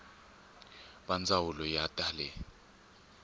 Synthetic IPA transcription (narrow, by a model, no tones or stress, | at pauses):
ɓand͡zʱawulɔjatʼaːlɛ